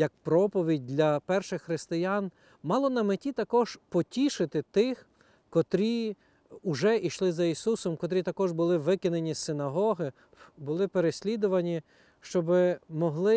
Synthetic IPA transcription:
jɐk̚pɾɔpɔʋʲidʲd̪ʲlʲɐpɛrʃɪxːɾɪst̪ɪjɑn | mɑlˠɔnɐmetʲit̪ɐkɔʒ̥pɔtʲiʃɪt̪ɪt̪ɪx | kɔt̪ɾʲi | ʊʒɛʔiʃlˠɪzɐisusɔmkɔt̪̬ɾʲit̪ɐkɔʒbʊlˠɪʋɪkɪnenʲisɪnɐɦɔɦɪ | bʊlˠɪpeɾesʲlʲid̪ʊʋɐnʲi | ʃt͡ʃɔbɪmɔɦlˠɪ

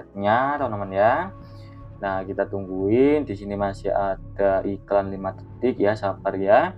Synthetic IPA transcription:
at̪̚ɲat̪aunamanja | nahkit̪at̪uŋɡuɪndisinimasiat̪̚aʔiklanlimat̪ət̪ɪk̚jasapərja

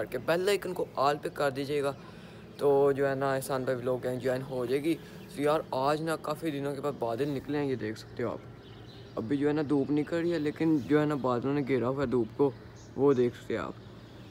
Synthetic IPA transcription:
əɾkepɛːlaɪkɪnkoʔaːlpekəɾd̪iad͡ʒaːeːɡaː | t̪oːd͡ʒoːɦɛːnãɪsaːnbaʋiloːɡɛ̃ːŋd͡ʒoːɦɛːnɦod͡ʒaeːɡiː | sɪjaːɾaːd͡ʒnakaːfid̪ɪnõkebaːd̪baːd̪ɪlnɪklẽɛ̃jed̪eːkʰsə̥k̚t̪eɦõa̰ːp | əbʱiːd͡ʒoːɦɛːnad̪uːpnĩːkəɾːiɛːleːkɪnd͡ʒoːɦɛːnabaːd̪ɪlõːnẽɡeːɾaɦoːɛːd̪uːbko | ʋoːd̪eːkʰsə̥k̚t̪eɦa̰ːp

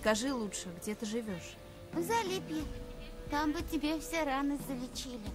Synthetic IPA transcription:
skɐʐɨlˠutʂɨɡdʲet̪ɨʐɨvʲoʂ | zɐlʲipʲjɪt̪ambɨtʲɪbʲefsʲeɾanɨzəlʲɪt͡ɕilʲɪ

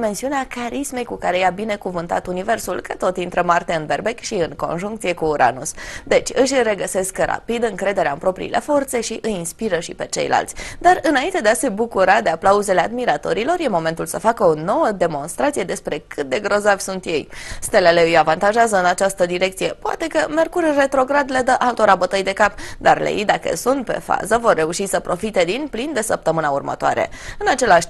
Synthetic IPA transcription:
me̞nsiuneakaɾisme̞jkukaɾe̞jabine̞kuvɨnt̪a̰t̪unive̞rsulkət̪o̞t̪int̪ɾəmart̪e̞ɨnbe̞rbe̞kʃiɨŋko̞̰nʒuŋk̚t̪sije̞kuːɾʔa̰nusd̪e̞t͡ʃʲɨʃʲre̞ɡəse̞skra̰pid̪ɨŋkɾe̞d̪e̞ɾeaɨnpɾo̞pɾḭḭlʔe̞̰fo̞rt̪se̞ʃiʔɨjinspiɾəʃipe̞t͡ʃe̞̰jla̰lt̪sʲd̪arɨnaint̪e̞d̪ease̞bukuɾad̪e̞aplauze̞lead̪miɾat̪o̞ɾilo̞rje̞mo̞me̞nt̪ulsəfakəono̞wəd̪e̞mo̞nst̪ɾat̪sije̞d̪e̞spɾe̞kʰɨt̪̚d̪e̞ɡɾo̞zavʲsunt̪je̞jst̪e̞le̞le̞ɨjavant̪aʒeazəɨnat͡ʃast̪əd̪iɾe̞k̚t̪sije̞poa̰t̪e̞kəme̞rkurre̞t̪ɾo̞ɡɾad̪le̞d̪əʔalt̪o̞ɾabət̪əjd̪e̞kapd̪arlḛjd̪akə̰sunt̪̚pe̞̰fa̰zəvo̞rːe̞uʃisəpɾo̞fit̪e̞d̪inplind̪e̞səp̚t̪əmɨnaurmə̰t̪oa̰ɾe̞̰ɨnat͡ʃe̞laʃt

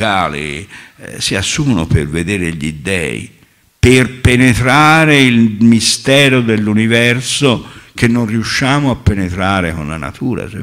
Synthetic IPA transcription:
aːlḭ | siasːumno̰perved̪eːɾeʎid̪ɛ̰ːḭ | perpenet̪ɾaːɾeilmist̪ɛːɾod̪elːunivɛrsok̟enːonriuʃːaːmoapːenet̪ɾaːɾekonla̰na̰t̪ʰuːɾa̰s

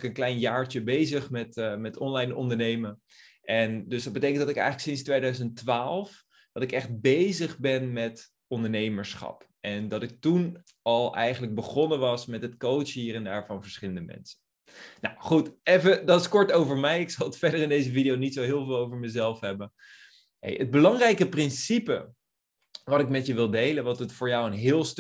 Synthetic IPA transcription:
kənklɛjnjaːɹt͡ʃəbejzəχmɛtmɛtɔnlɑjnɔ̰ndəɹnejmə | ʔɛndɵsdɑd̚bətejkəntdɑtɪkɛ̰jxχələksɪnstʋejdœɥzəntʋaːlˠf | d̥ɑtɪkɛχt̚bejzəχbɛnmɛt | ɔndəɹnejməɹsχɑ̰p | ʔɛndɑtɪk̚tun | ɑlˠʔɛ̰jχənləɡ̚bəχɔnənʋɑsmɛtɦətkowtt͡ʃɦiːrɛndaːɹvɑnvəɹsχɪləndəmɛ̰nsə̥n | na̰wχutejfədɑtɪskɔɹtowvəɹmɛjɪksɑlˠətfɛɹdərɪndejzəvidijownitsowɦɪːlˠvɪːlˠowvəɹməzɛlˠfɦɛbən | ɦḛjəd̚bəlɑŋrɛjkəprɪnsipə̰ | ʋɑtɪkmɛtjəʋɪlˠdejlənʋɑtətfʊːɹjɔwənɦɪːlˠst

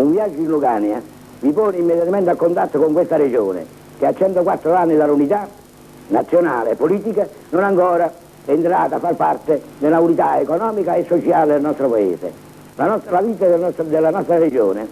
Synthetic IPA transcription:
uɱviad͡ʒːʊinluɡanja | vipoːnɪimːed̪jat̪ament̪akːont̪at̪ːokoŋkwest̪aɾed͡ʒoːnɪ̰ | k̟ɪat͡ʃːɛnt̪okwat̪ːɾoanːɪd̪alːunit̪a | nat̪sːjona̰ːlɪɛpːoliːt̪ika | nʊnaŋkɔːɾa | ɛːnt̪ɾaːt̪afːarpart̪ɪd̪elːaunit̪aekɔnɔːmikaesːɔt͡ʃjaːlɪd̪elnɔst̪ɾopaḛːsɪ̰ | lanɔlaviːt̪ad̪ɔd̪elːanɔst̪ɾaɾed͡ʒo̰ːnɪ̰

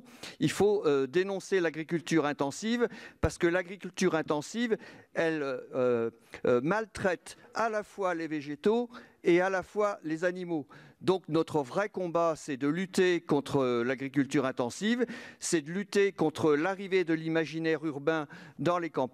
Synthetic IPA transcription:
ilfoød̪enɔ̃selaɡʁikʲylt̪yʁɛ̃t̪ɑ̃sivpaʁsə̥kəlaɡʁikʲylt̪yʁɛ̃t̪ɑ̃sivɛlø | malt̪χɛt̪alafwaleveʒet̪oealafwalezanimod̪ɔ̃knɔt̪χəvʁɛkɔ̃basɛd̪əlyt̪ekɔ̃t̪χəlaɡʁik̬ʲylt̪yʁɛ̃t̪ɑ̃sivsɛd̪əlyt̪ekɔ̃t̪χəlaʁived̪əlimaʒinɛʁyʁbɛ̃d̪ɑ̃lekɑ̃p

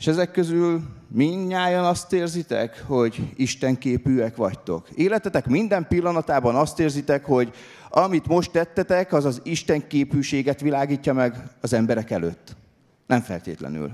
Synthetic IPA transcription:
eʃɛzɛkːøzylmiɲːaːjɒnɒst̪eːrzit̪ɛ̰kho̞ɟiʃt̪ɛŋkeːpyːɛkʋɒct̪o̞̰keːlɛt̪ɛt̪ɛkmind̪ɛmpilːɒnɒt̪aːbɒnɒst̪eːrzit̪ɛkho̞ɟ | ɒmit̪mo̞ʃt̪ːɛt̪ːɛt̪ɛkɒzɒziʃt̪ɛŋkeːpyːʃeːɡɛt̪ʋilaːɡiːcːɒmɛɡɒzɛmbɛɾɛkɛlø̰ːt̪ː | nʔɛɱfɛ̰lt̪ḛːt̪lɛ̰ny̰l

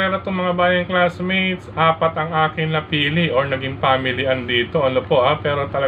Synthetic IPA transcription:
ɛːɾɐt̪oŋmɐŋabaːjɐŋklasmet̪sʔaːpɐt̪ɐŋʔaːkɪŋnɐpiːlɪʔoɹnɐɡɪŋpaːmɪlɪʔɐnd̪iːt̪o̞ʔɐnopo̞ʔapɛːɾo̞t̪ɐlɐ

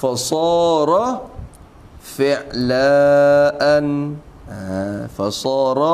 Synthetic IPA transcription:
fasˤɑːɾˤɑ | fɪʕlaːʔan | afasˤɑːɾˤɑ

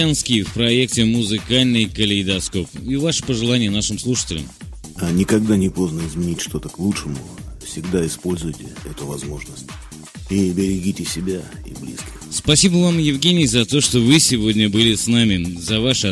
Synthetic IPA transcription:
anskʲɪjfpɾɐek̚tʲɪmʊzɨkalʲnɨjkəlʲɪɪd̪ɐsko̞pivaʂə̥pəʐɨlˠanʲɪjənaʂɨmslˠuʂɨ̥tʲɪlʲɪ̰m | anʲɪkɐɡd̪anʲɪpo̞znəɪzmʲɪnʲitʲʂt̪o̞t̪əklˠutʂɨmʊfsʲɪɡd̪aɪspo̞lʲzʊjtʲɪɛt̪ʊvɐzmo̞ʐnəsʲtʲ | ibʲɪɾʲɪɡʲitʲɪsʲɪbʲa | ḭblʲḭskʲɪxspɐsʲibəvamjɪvɡʲenʲɪjzɐt̪o̞ʂt̪o̞vɨsʲɪvo̞dʲnʲəbɨlʲɪsnamʲɪzɐvaʂɨɐ

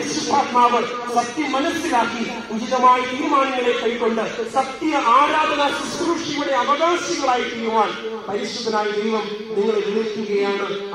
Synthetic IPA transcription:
ɐisud̪ʱaːt̪maːʋɐɭ | sɐk̚t̪jɐmɐnɐsilaːkːi | ud͡ʑiðɐmaːjɐiːmaːnŋɐɭekːɐjkoɳɖɐsɐk̚t̪ːijɐʔaːɾaːd̪ɐnasɐsɾuːʂiʋɐɽeɐʋɐɣaːsiɣɐɭaːjt̪ːɐjːuʋaːnpɐɾisɾud̪ːɐnaːjɐd̪ɐjʋɐm | niŋːɐɭeʋeɽut̪ːuɣɐjaːɳɐ

